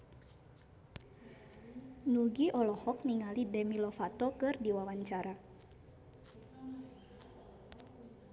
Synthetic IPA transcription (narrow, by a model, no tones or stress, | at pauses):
nuɡiʔɔlɔhɔk̚niŋalidɛmilɔfat̪ɔkɨrdiwawaɲt͡ʃaɾa